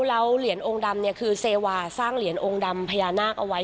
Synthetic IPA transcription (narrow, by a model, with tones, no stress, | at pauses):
la˦˥wli˨˩˦ənʔoː˧ŋda˧mni˥˩ɐkʰɯː˧seː˧waː˧saː˥˩ŋli˩˦ənʔoː˧ŋda˧mpʰa˧jaː˧naː˥˩k̚ʔa˧wa˦˥